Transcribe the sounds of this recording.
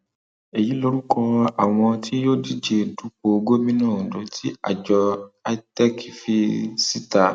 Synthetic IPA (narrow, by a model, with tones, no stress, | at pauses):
e˨ji˨˦lo˧ɾu˦kʰɔ˧a˨w̃ɔ̃˧tʰi˦jo˦di˦d͡ʒe˨˧˨du˦k͡po˧ɡo˦mĩ˦nãː˦˨do˨˦ti˦a̰˨d͡ʒɔ˧a˧˦tɛ˦ki˨fi˧si˦ta˨